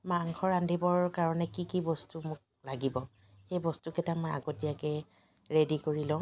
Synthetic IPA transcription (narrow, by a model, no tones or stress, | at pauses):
maŋxɔɹandʱibɔɹkaɹɔnɛkikibɔstumʊk̚ | laɡibɔ | xejbɔstukɛtamɔja̰ɡotijakɛ | ɹedikoɹilɔ̃